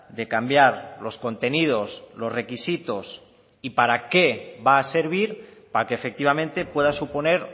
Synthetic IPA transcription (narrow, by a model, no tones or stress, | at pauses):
d̪e̞kambjaɾlo̞sko̞nt̪e̞nið̞o̞slo̞zre̞kisit̪o̞s | ipaɾake̞βaːse̞ɾβ̞iɾpakeːfek̚t̪iβamẽ̞nt̪e̞pwe̞ðasupo̞ne̞ɾ